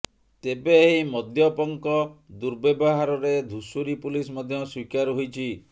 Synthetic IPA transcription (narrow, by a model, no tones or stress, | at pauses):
t̪ebeɦimɔd̪ʱjɔpɔŋkɔd̪uɾbebɔɦaɾɔɾed̪ʱusuɾipulismɔd̪ʱjɔswikaɾɦojt͡ʃʰi